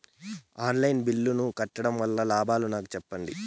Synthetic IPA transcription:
aːnlɐjnbilːunukɐʈːɐɽɐmʋɐlːɐlaːbaːlunaːkut͡ʃɛpːɐɳɖḭ

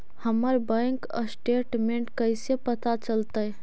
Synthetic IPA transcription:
həməɾbə̃ŋkə̰sʈeʈmeɳʈkəjsepət̪at͡ʃəlt̪əj

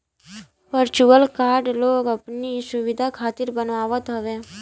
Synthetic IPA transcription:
pəɾt͡ʃuʋəlkaːɾɖloːɡɐpnisʊʋɪd̪ʱakʰaːt̪ɪɾbənaːʋət̪ɦɐʋẽː

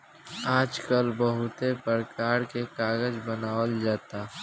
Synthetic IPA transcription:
aːd͡ʒkəlbəɦʊt̪epəɾkaːɾkekaːɡəd͡ʒbənaːwəld͡ʒaːt̪a

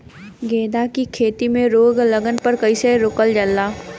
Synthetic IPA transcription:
ɡeːd̪akikʰeːt̪imẽɾoːɡlɐɡənpəɾkɐiseɾʊkəld͡ʒəlːaː

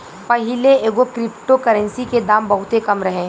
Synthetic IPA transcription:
pɐɦɪleeːɡokɾɪpʈokəɾə̃nsiked̪aːmbɐɦʊt̪ekɐmɾɐɦẽː

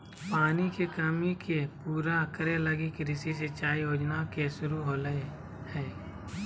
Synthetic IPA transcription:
paːnikekəmikepuːɾakəɾeləɡikɾɪsiset͡ʃaːijoːd͡ʒnakesʊɾuɦoːlə | hɛː

